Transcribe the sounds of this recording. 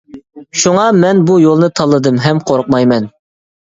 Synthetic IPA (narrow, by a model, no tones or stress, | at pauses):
ʃuŋɑmɛnbujolˠnɨt̪ʰɑlˠːɨd̪ɨmɦɛmqʰoɾʊq̚mɑjmɛn